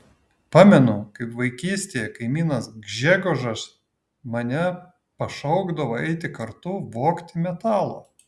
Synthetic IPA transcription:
pɑːmʲɛnʊkɐɪpʋɐɪkʲiːsʲt̪ʲeːjɛkɐɪmʲiːnɐsɡʒʲæɡoʒɐs | mɐnʲɛ | pɐʃɐʊɡd̪ɐʋoːɛɪt̪ʲɪkɐɾt̪ʊʋoːkt̪ʲɪmʲɛt̪ɑːlˠo̰ː

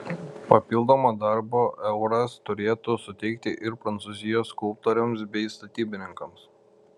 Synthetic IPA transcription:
pɐpʲɪlˠd̪oːmod̪ɐɾboːʔɛʊɾɐst̪ʊɾʲeːt̪ʊsʊt̪ʲɛɪk̚t̪ʲɪʔɪɾpɾɐnt̪sʊzʲɪjoːskʊlˠp̚t̪oːɾʲʊms̬bʲɛɪst̪ɐt̪ʲiːbʲɪnʲɪŋkɐms

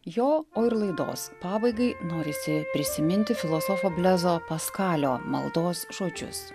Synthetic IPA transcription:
joːoːɪɾlˠɐɪd̪o̰ːspɑːbɐɪɡɐɪnoːɾʲɪsʲɪpʲɾʲɪsʲɪmʲɪnʲt̪ʲɪfʲɪlˠosɔfoːbʲlʲæzoːpɐskɑːlʲoːmɐ̰lˠd̪oːsʒoːd͡ʒʲʊ̰s

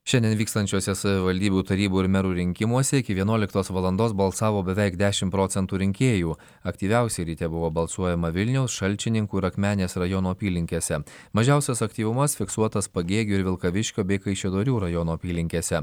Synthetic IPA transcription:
ʃʲɛnd̪ʲɛnʋʲiːkst̪ɐnʲt͡ʃʲoɔsʲɛsɐʋʲɪʋɐlʲd̪ʲiːbʲuːt̪ɐɾʲiːbuːɪɾmʲɛɾuːɾʲɪŋʲkʲɪmuɔsʲɛɪkʲɪʋʲiɛnuɔlʲɪkt̪oːsʋɐlˠɐnd̪oːs̬bɐlˠsɑːʋoːbʲɛʋʲɛɪkd̪ʲæːʃʲɪmpɾoːt̪sʲɛnt̪uːɾʲɪŋʲkʲeːjuː | ɐkt̪ʲiːʋʲɛˑʊsʲɛɪɾʲit̪ʲɛbʊʋoːbɐlˠsuɔjɛmɐʋʲɪlʲnʲɛʊsʃɐlʲˑt͡ʃʲɪnʲɪŋkuːɪɾɐkmʲæːnʲeːsɾɐjoːnoːpʲiːlʲɪŋʲkʲeːsʲɛmɐʒʲɛˑʊsʲɛsɐkt̪ʲiːʋʊmɐsfʲɪksuɔt̪ɐspɐɡʲeːɡʲuːɪɾʋʲɪlˠkɐʋʲɪʃʲkʲoːbʲɛɪkɐɪʃʲɛd̪oːɾʲuːɾɐjoːnoːpʲiːlʲɪŋʲkʲeːsʲɛ

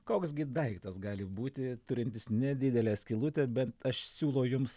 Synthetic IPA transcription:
koːksɡʲɪd̪ɐɪkt̪ɐsɡɑːlʲɪbuːt̪ʲɪt̪ʊɾʲɪnʲt̪ʲɪsnʲɛd̪ʲɪd̪ʲɛlʲɛːsʲkʲɪlˠʊt̪ʲɛbʲɛnt̪ɐʃsʲuːlˠɐʊjʊms

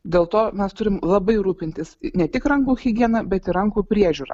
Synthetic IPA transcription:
d̪ʲeːlˠt̪oːmʲɛst̪ʊɾʲɪmlˠɐbɐɪɾuːpʲɪnʲt̪ʲɪsnʲɛt̪ʲɪkɾɐŋkuːxʲɪɡʲiɛnɐbʲɛt̪ɪɾɐŋkuːpʲɾʲiɛʒʲuːɾɐ̰

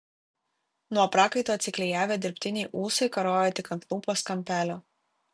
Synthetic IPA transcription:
nuɔpɾɑːkɐɪt̪oːɐt̪sʲɪklʲɛjæːʋʲeːd̪ʲɪɾʲpʲt̪ʲɪnʲɛɪʔuːsɐɪkɐɾoːjɛt̪ʲɪkɐnt̪lˠuːpoːskɐmʲpʲæːlʲoː

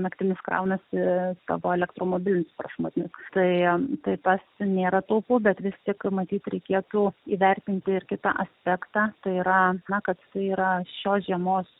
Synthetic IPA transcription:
nɐkt̪ʲɪnʲɪskɾɐ̰ʊnɐsɪsɐ̰ʋoːɛlʲɛkt̪roːmoːbʲɪlʲɪnʲɪsprɐʃmoːt̪ʲnʲɪst̪ɐɪt̪ɐɪt̪ɐsnʲeːɾɐt̪ɐʊpʊbʲɛt̪ʋʲɪst̪ʲɪkmɐt̪ʲiːt̪ɾʲɛɪkʲeɛt̪uiːʋʲɛrʲt̪ʲɪnʲt̪ʲɪɪɾkʲɪt̪ɑ̰ʔɐsʲpʲɛːkt̪ɑːt̪ɐɪiːɾɐnɐkɐt̪sɐɪiːɾɐʃʲoːsʒʲiɛmoːs

